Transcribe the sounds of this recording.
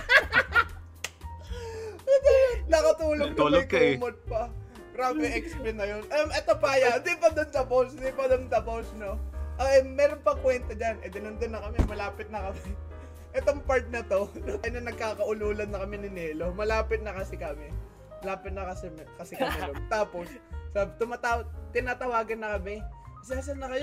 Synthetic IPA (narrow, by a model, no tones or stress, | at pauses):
d̪onɐkɐt̪uːloɡɡk̪ːɐlokɐmot̪̚pɐ | ɡɾaːbɛʔɛksbɛnɐjonʔɐmʔɛt̪opajɐnd̪ɪpɐd̪ont̪ɐposd̪ipɐd̪ont̪ɐposnoʔoʔɛmɛːɾonpɐŋkwɛnt̪ɐd͡ʒanʔɛd̪ɪnɐnd̪ɪnːɐkɐmɛmɐlaːpɪt̪̚nɐkɐmɛ | ʔɛt̪oŋpaɹt̪̚nɐt̪o̞noŋʔɐjnɐnɐɡ̚kaːkɐʔʊluːlɐnːɐkɐmɪnɪnɛːlo̞mɐlaːpɪt̪̚nɐkɐsɪkɐmɛ | mɐlaːpɪt̪̚nɐkɐsɛmkɐsɪkɐmɪɾont̪aːpo̞s | sabt̪ʊmat̪awt̪ɪnaːt̪ɐwaːɡɐnːɐkɐmɛɐsɛɐs̬ɐnːɐkɐj